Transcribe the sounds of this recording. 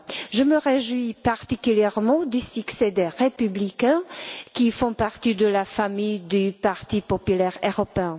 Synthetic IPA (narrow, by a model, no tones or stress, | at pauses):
ʒəməʁeʒwipaʁt̪ikyljɛʁmɑ̃d̪ysyksed̪ɛʁepyblikɛ̃kʲifɔ̃paʁt̪id̪əlafamijd̪ypaʁt̪ipɔpylɛʁøʁɔpeɛ̃